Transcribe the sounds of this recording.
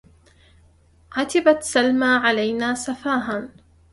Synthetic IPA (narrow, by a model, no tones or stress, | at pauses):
ʕat̪ɪbat̪salmaːʕalajnaːsafaːɦan